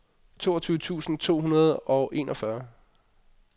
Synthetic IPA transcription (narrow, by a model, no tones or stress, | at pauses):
t͡sʰo̝ːɐt͡sʰyːʊət͡sʰṵːsn̩t͡sʰo̝̰ːɦunɐð̞̩ˠɒ̽ʔe̝̰nʔɒ̽fɶɐ